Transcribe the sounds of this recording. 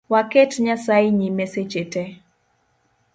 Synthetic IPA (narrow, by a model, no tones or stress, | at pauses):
waketɲasaɪɲimeset͡ʃete